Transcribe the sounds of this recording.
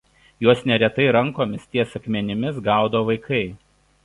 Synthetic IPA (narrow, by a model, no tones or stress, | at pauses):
juɔsnʲɛɾʲɛt̪ɐɪɾɐŋˑkoːmʲɪst̪ʲiɛsɐkmʲɛnʲɪmʲɪsɡɑˑʊd̪oːʋɐɪkʰɐɪ